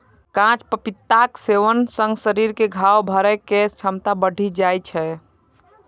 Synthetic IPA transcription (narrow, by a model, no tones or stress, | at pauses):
kãt͡ʃpəpit̪ːakseʋənsə̃ŋɡsəɾiɾkeɡʱawbʱəɾɛkest͡ʃʰəmt̪abəɽʱid͡ʒajt͡ʃʰɛ